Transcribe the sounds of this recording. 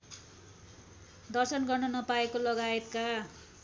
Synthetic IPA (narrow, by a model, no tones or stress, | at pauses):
d̪ʌrsʌnɡʌrnʌnʌpaekolʌɡaet̪ka